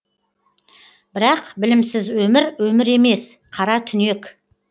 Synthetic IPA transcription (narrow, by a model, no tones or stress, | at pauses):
b̥ɪɾɑqbɪlɪmsɪzwɵmɪɾwɵmɪɾe̞me̞sqʰɑɾɑt̪ʰʏne̞k